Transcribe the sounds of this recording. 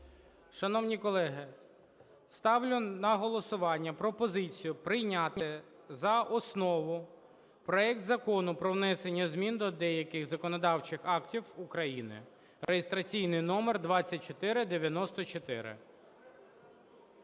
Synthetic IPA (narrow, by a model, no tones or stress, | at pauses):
ʃɐnɔwnʲikɔlˠɛɦɪ | st̪ɑwlʲʊnɐɦɔlˠɔsʊʋɑnʲːɐpɾɔpɔzɪt͡sʲijʊpɾɪjnʲat̪ɪ | zɐʔɔsnɔʋʊ | pɾɔɛk̚t̪zɐkɔnʊpɾɔwnɛsenʲːɐzmʲind̪ɔd̪ɛjɐkɪxzɐkɔnɔd̪ɑwt͡ʃɪxɑktʲiwukɾɐjinɪ̰ | ɾejɪst̪ɾɐt͡sʲijnɪjnɔmerd̪ʋɑt͡sʲːɐt̚ʲt͡ʃɔt̪ɪɾɪd̪eʋʲjɐnɔst̪ɔt͡ʃɔt̪ɪ̰ɾɪ̰